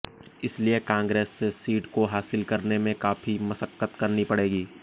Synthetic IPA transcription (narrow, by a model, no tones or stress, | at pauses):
ɪsliekãːŋɡɾeːsːesiːʈkoɦaːsɪlkɐɾnemẽkaːfimɐsəkːət̪kɐɾnipɐɽeːɡiː